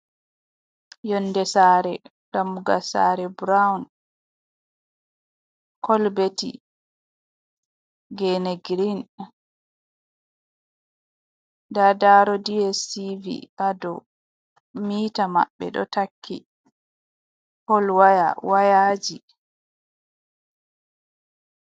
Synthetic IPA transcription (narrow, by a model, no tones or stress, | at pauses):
jɔnːdɛsaɾɛ | damuɡasa̰ɾɛbɾawn | kɔlbetḭ | ɡeneɡɾin | dadaɾɔdiɛsivḭʔadɔ̰ | miːtama̰ɓːɛ̰ɗɔ̰takʰːi | hɔlwaja̰wajaːd͡ʒi